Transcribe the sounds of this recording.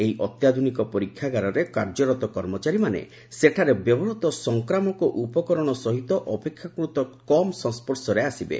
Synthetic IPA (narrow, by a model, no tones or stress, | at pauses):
eɦiʔɔt̪jad̪ʱunikɔpɔɾikʰːjaɡaɾɔɾekaɾd͡ʒɔɾɔt̪ɔkɔɾmɔt͡ʃaɾimanḛ | seʈʰaɾebjɔbɔɾɔt̪ɔsɔŋkɾamɔkɔʔupɔkɔɾɔɽ̃ɔsɔɦit̪ɔʔɔpekʰːjakɾut̪ɔkɔmsɔ̃nspɔɾsɔɾeasibḛ